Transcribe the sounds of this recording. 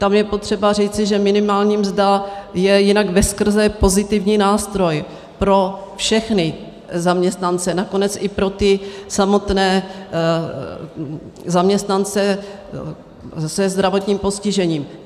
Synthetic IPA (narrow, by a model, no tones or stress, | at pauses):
t̪amjɛpo̞t̪r̥ɛbar̝iːt͡sɪʒɛmɪnɪmaːlɲiːmzd̪ajɛjɪnaɡvɛskr̩zɛpo̞zɪt̪ɪvɲiːnaːst̪ɾo̞j | pɾo̞fʃɛxnɪ | zamɲɛst̪nant͡sɛnako̞nɛt͡sʔɪpɾo̞t̪ɪsamo̞t̪nɛː | zamɲɛst̪nant͡sɛ | sɛzd̪ɾavo̞t̪ɲiːmpo̞scɪʒɛɲiːm